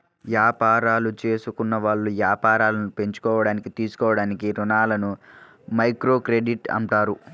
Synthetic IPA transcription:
ʋjaːpaːɾaːlut͡ʃe̞ːsukunːɐʋaːɭːuʋjaːpaːɾaːlɐnupe̞ɲt͡ʃu̥kɔːʋɐɽaːnikit̪iːsu̥kɔːʋɐɽaːnikiɾunaːlɐnu | mɐjkɾo̞ːkɾe̞ɖiʈɐ̰ɳʈaːɾu

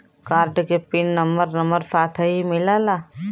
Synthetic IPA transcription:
kaːɾɖkepinːɐmbəɾnɐməɾsaːt̪ʰəɦimɪlalaː

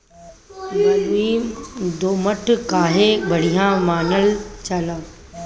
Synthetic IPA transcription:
mɐlʋid̪oːməʈkaːɦebɐɽ̤ijãmaːnəlt͡ɕaːlaː

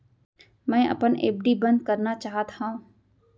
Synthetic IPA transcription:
mɛ̃ːʔɐ̰pənḛːp̚ɖibɐ̃nd̪̚kəɾnat͡ʃaːɦət̪ɦã

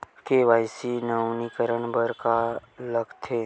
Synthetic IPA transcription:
keʋaːɪsinəwnikəɾəɳbəɾkaləɡt̪ʰe

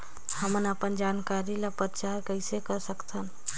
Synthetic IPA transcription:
həmənəpənd͡ʒankaɾiləpəɾt͡ʃaɾkəɪsekəsəkt̪ʰən

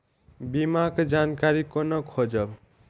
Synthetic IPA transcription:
bimakd͡ʒankaɾikonʌkʰod͡ʒʌb

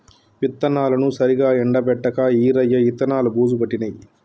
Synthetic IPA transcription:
pit̪ːɐnaːlɐnusɐɾiɡaːɛɳɖɐpɛʈːɐkɐiːɾɐjːɐit̪ːɐnaːlubuːd͡ʒupɐʈːinɐj

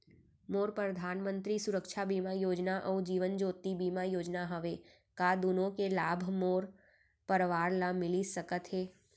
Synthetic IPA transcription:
moːɾpɾəd̪ʱaːnmə̃nt̪ɾisʊɾəkʃʰabimajoːd͡ʒnaʔəũd͡ʒiːʋənd͡ʒoːt̪ibiːmajoːd͡ʒnaɦəʋe | kad̪unõkelaːbʱmoːɾ | pəɾʋaːɾlamɪlisəkət̪ɦeː

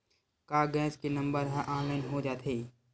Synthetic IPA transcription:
kaːɡɛ̃ːskenɐ̃mbəɾɦɛ̃ʔɔːnlaːɪnɦod͡ʒaːt̪ʰɦeː

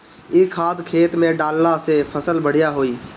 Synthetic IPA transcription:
ɪkʰːaːd̪kʰeːt̪mẽɖaːlnasepʰəsəlbəɽ̤ɪjaɦoːiː

